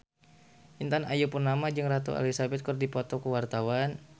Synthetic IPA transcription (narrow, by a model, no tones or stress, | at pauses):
ʔint̪anajupurnamad͡ʒɨŋrat̪ṵa̰lisabɛt̪̚kərdipɔt̪ɔkəwart̪awan